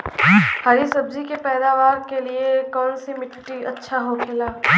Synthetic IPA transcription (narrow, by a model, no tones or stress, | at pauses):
haːɾisɐbd͡ʒikepɛːd̪aːʋaːɾkeliekɔːnsimɪʈʈːiɐtːʃʰaɦokʰɪlaː